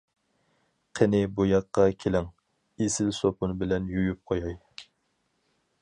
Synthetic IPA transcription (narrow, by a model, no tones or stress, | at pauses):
qʰənɪbujɑqːɑkʲʰelɪŋ | esɪlsopʰunbɪlɛnjujup̚qʰojɑj